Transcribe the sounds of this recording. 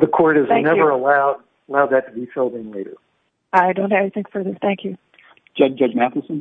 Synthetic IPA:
ðɨkʰɔɹɾɨzæ̃ŋnɛvə˞əlaʊd̚ | əlaʊd̪̚ðɨtʰəbifelˠdɪ̃ŋleɪɾə̰˞ | aɪdõʊ̃nthævliθɪ̃ŋkfə˞ðɪsθæ̃ŋkʰjʉ̥ | d͡ʒ̥ʌd͡ʒʌd͡ʒmæθl̩ˠsə̃n

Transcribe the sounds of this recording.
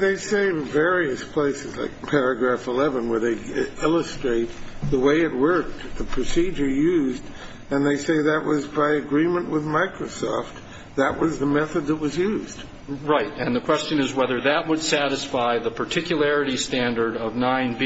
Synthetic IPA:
ðeɪseɪvɛɹiɨspʰl̥eɪsɨzla̰ɪk̚pʰɛɹɨɡɹæfəlɛvɨ̃nwə˞ðeɪɪlˠəstɹ̥eɪt̪̚ðəweɪɨt̚wɜ˞k̚ðəpʰɹ̥ɨsid͡ʒə˞jʉzd | ɨ̃nðeɪseɪðɨʔ̚wʔʌzbaɪɨɡɹĩmɨ̃nʔwɨðmaɪkɹosɔ̰ft̪̚ | ðɨʔ̚wʌzðəmɛθɨd̪̚ðət̚wʌzjʉzd̥ | ɹaɪtɨ̃nðɨkʰw̥ɛst͡ʃɨ̃nɨzwɛðə˞ðɨʔ̚wəd̥sæɾɨsfaɪðəpʰə˞tʰɪkjɨl̩ˠɛɹɨɾistæ̃ndə˞ɾʌvnãɪ̃nb

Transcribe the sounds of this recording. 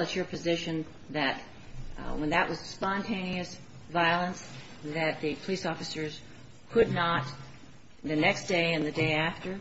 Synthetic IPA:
ɨt͡ʃə˞pʰɨzɪʃɨ̃n | ðɨt̚ | wə̃nðɨʔ̚wʔʌz̥spɑ̃ntʰẽɪ̃niɨs | vaɪlˠə̃ns | ðɨt̪̚ðɨpʰəlisɔfɨsə˞z̥ | kʰʊdⁿnət̪̚ | ðɨnɛksd̥eɪɨ̃nðɨdeɪæftə˞

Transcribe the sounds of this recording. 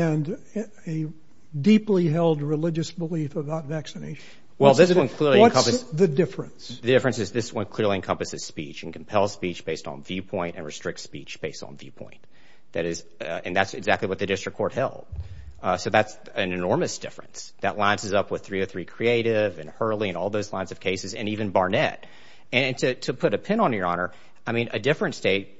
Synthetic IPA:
ɨ̃n | ɨ | dipliɦɛlˠd̚ɹɨlɪd͡ʒɨsbəlifəbaʊtvæksɨnḛɪʃɨ̃n̩ | wɛlˠðswʌ̃nkʰl̥ɪɹliɨʌkʰʌ̃mpɨsðɨdɪfɹɨ̃nsðɨdɪfɹɨ̃nsɨzðɪswʌ̃nkʰl̥ɪɹlˠiɨ̃nkʰʌ̃mpɨsɨz̥spit͡ʃɨ̃n̩kʰm̩pʰɛlˠz̥spit͡ʃb̥eɪstn̩vjʉpʰɔ̃ɪ̃ntɨ̃nɹɨstɹ̥ɪk̚tspit͡ʃb̥eɪstn̩vjʉpʰɔ̰̃ɪ̃n | ðɨɾɨz | ɨ̰̃nðætsɨ̰ɡzæk̚tˡliwʌt̪̚ðɨdɪstɹ̥ɨkʰːɔɹt̚hɛ̰lˠd̥̚soʊðæts | ɨ̃nɨnɔɹmɨsd̥ɪ̰fɹɨ̰̃nsðɨʔˡlãɪɨ̃nsɨzʌpwəð̥θɹiə˞θɹikʰɹ̥ieɪɾɪvɨ̃nhɜ˞lˠiɨ̃nɔlˠðoʊzlãɪ̃nzʌv̥kʰeɪsɨzɨ̰̃nivɨ̃nbɑɹnɛ̰t̚ | ɨ̃ɨ̃ntʰɨɾʰɨpʰʊɾɨpʰɪ̃nə̃njə˞ɑnə˞ | aɪmĩnʔɨdɪfɹɨ̃nsd̥eɪt̚

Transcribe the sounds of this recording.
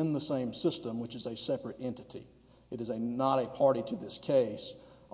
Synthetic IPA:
ɨ̃nðəsẽɪ̃msɪstə̃mwɨt͡ʃɨzɨsɛpɹɨɾɛ̃ntɨɾḭ | ɨɾɨzɨnəɾɨpʰɑɹɾiɾɨðɪskʰeɪs

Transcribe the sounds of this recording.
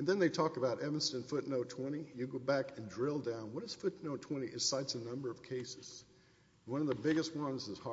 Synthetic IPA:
ɨ̃nðɨ̃nðeɪtʰɔkəbaʊɾɛvɨ̃n̩stɨ̃nfʊtⁿnoʊtʰw̥ɛ̃ɾ̃ijɨɡoʊbækɨ̃ndɹɪlˠdãʊ̃nwʌɾɨz̥fʊtⁿnoʊtʰw̥ɛ̃ɾ̃iʔɨz̥saɪtsɨnʌ̃mbə˞ʌv̥kʰeɪsɨz̥ | nwʌ̃nʌvðəbɪɡɨst̚wʌ̃nzɨz̥hɑ

